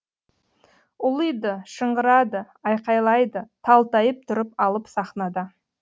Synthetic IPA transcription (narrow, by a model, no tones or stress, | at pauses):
ʊlˠəjd̪əʃəɴɢəɾɑd̪ə | ɑjqɑjlˠɑjd̪ət̪ʰɑlˠt̪ɑjəp̚t̪ʰʊɾəpɑlˠəpsɑχnɑd̪ə